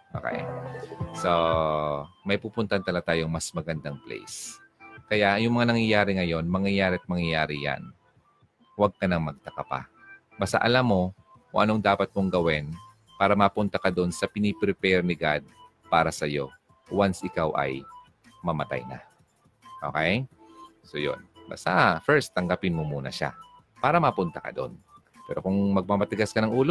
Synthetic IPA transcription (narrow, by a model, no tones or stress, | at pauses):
ʔo̰ka̰ʔɪ̰so | mɐjpuːpʊnt̪aʔnt̪ɐlat̪aːjoŋmɐsmɐɡɐnd̪aŋplɛ̰js | kɐjajʊŋmɐŋanɐŋjɐjaːɾɪŋɐjo̞nmɐŋjɐjaːɾɪɐt̪̚mɐŋjɐjaːɾɪja̰n | wɐɡ̚kɐnɐŋmɐɡ̚t̪ɐkɐpa̰ | bɐst̪a̰ʔɐlamːo̞ | kʊŋʔɐ̰noŋd̪aːpɐt̪̚moŋɡɐwɛn | paːɾɐmɐpʊnt̪ɐkɐd̪o̞nsɐpɪnipɾɪpɛɾnɪɡad̪̚ | paːɾɐsɐjo̞̰ | wansʔɪkawʔɐ̰j | mɐmɐt̪a̰jnɐ̰ | ʔo̞̰kɛj | so̞jo̰nbɐ̰st̪afɛɹst̪ːɐŋɡɐpɪnmomuːnɐ̰ʃa̰ | paːɾɐmɐpʊnt̪ɐkɐ̰d̪o̞̰n | pɛ̰ːɾo̞kʊŋmɐɡ̚pamɐt̪ɪɡaskɐnɐŋʔuːlo